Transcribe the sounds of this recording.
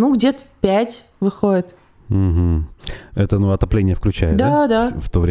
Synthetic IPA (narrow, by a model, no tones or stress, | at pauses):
nuɡdʲet̪ə̥fʲpʲætʲ | vɨxoɪt̪ | m̩ɦm̩ɛt̪ənuɐt̪ɐplʲenʲɪjəfklʲʉt͡ɕæjɪd̪ad̪aft̪ovɾʲe